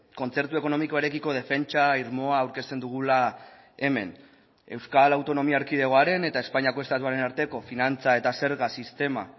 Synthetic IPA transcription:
ko̞nt͡se̞ɾt̪ue̞ko̞no̞miko̞eɾe̞kiko̞ð̞e̞fe̞nt͡ʃaiɾmo̞aːwɾke̞st̪e̞nd̪uɣ̞ula | e̞me̞̰n | e̞wskalawt̪o̞no̞miaɾkið̞e̞ɣo̞aɾe̞ne̞t̪ae̞spaɲiako̞e̞st̪at̪uaɾe̞naɾt̪e̞ko̞finant͡sae̞t̪ase̞ɾɣasist̪e̞ma̰

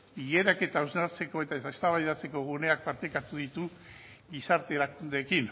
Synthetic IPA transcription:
iɣe̞ɾake̞t̪awznaɾt͡se̞ko̞et̪aeest̪aβajðat͡se̞ko̞ɣune̞ak̚paɾt̪ekat̪uðit̪u | ɣisaɾt̪e̞lakund̪e̞kin

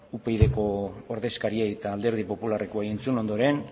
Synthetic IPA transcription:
upejðe̞ko̞ːɾðe̞skaɾiaet̪aːld̪e̞ɾð̞ipo̞pulare̞koajent͡suno̞nd̪o̞ɾe̞n

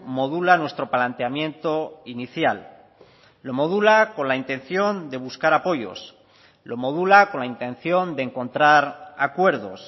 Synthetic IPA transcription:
mo̞ðulanwe̞st̪ɾo̞palant̪eamjẽ̞nt̪o̞iniθjalː | o̞mo̞ðulako̞nlaint̪e̞n̟θjo̞nd̪e̞β̞uskaɾapo̞jo̞̰s | lo̞mo̞ðulako̞nlaint̪ẽ̞n̟θjo̞nd̪eŋko̞nt̪ɾaɾakwe̞ɾðo̞̰s

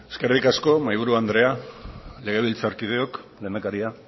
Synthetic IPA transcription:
eske̞rikasko̞majβuɾuand̪ɾe̞ale̞ɣ̞e̞β̞ilt͡saɾkið̞e̞o̞kleːnd̪akaɾia

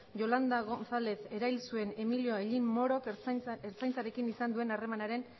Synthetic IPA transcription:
ʝo̞land̪aɣonθale̞θe̞ɾailsue̞ne̞milio̞eʎinmo̞ɾokeɾt͡sajnt͡saɾe̞kinisand̪ue̞nare̞manaɾe̞n

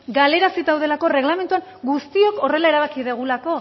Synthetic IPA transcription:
ɡale̞ɾasit̪awðe̞lako̞re̞ɣlame̞nt̪uaŋ | ɡust̪io̞kore̞lae̞ɾaβakiðeɣ̞ulako̞

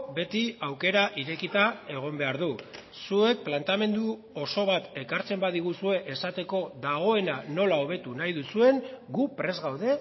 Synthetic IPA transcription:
be̞t̪iawke̞ɾaʔiɾe̞kit̪ae̞ɣ̞o̞mbe̞aɾðu | sue̞k̚plant̪ame̞nd̪u | o̞so̞β̞at̪e̞kaɾt͡se̞mbaðiɣ̞usue̞ʔesat̪e̞ko̞ðaɣ̞o̞e̞nano̞lao̞βe̞t̪unajðusue̞ŋɡupɾe̞zɣawðe̞

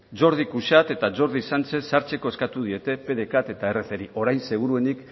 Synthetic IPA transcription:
d͡ʒo̞ɾð̞ikuʃat̪e̞t̪ad͡ʒo̞ɾðisant͡se̞saɾt͡se̞ko̞eskat̪uð̞ie̞t̪e̞pe̞ðe̞kat̪e̞t̪ae̞re̞θe̞ɾiʔo̞ɾajnse̞ɣ̞uɾue̞nik

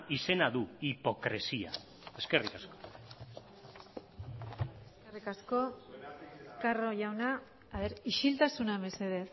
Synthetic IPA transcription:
ise̞naðuipo̞kɾesia̰ | e̞ske̞rikasko̥ | eskerikasko̞ | karo̞ʝawnaː | βeɾiʃilt̪asunaβe̞se̞ð̞e̞θ

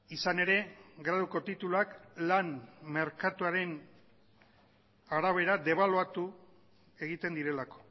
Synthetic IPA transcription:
isane̞ɾe̞ɡɾaðuko̞t̪it̪uluaklanme̞ɾkat̪uaɾe̞n | aɾaβ̞e̞ɾad̪e̞β̞aloat̪u | e̞ɣit̪e̞nd̪iɾe̞lako̞̥

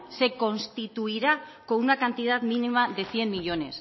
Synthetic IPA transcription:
se̞ko̞nst̪it̪uiɾako̞unakant̪ið̞at̪minimaðe̞θje̞mːiʎo̞ne̞s

